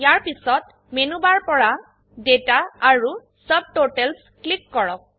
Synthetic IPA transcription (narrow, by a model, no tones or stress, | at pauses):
jaɹpisɔt̚ | menubaɹpɔɹa | detaaɹu | səb̚toʈɛls | klikːɔɹɔk̚